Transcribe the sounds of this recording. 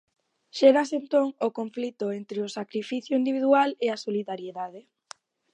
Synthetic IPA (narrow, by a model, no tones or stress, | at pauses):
ʃɛɾasent̪oŋʊkoɱflit̪ʊent̪ɾeʊsakɾifiθjʊind̪iβiðwaleasoliðaɾjeðað̞e